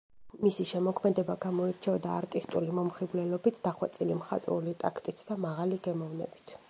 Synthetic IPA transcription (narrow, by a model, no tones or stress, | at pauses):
misiʃɛmɔkʰmɛd̪ɛbaɡamɔiɾt͡ʃʰɛɔd̪aːɾt̪ʼist̪ʼulimɔmχiblɛlɔbit̪ʰd̪aχwat̪sʼilimχa̰t̪ʼɾṵlit̪ʼakʰt̪ʼit̪ʰd̪̥amaʁaliɡɛmɔvnɛ̰bi̥t̪ʰ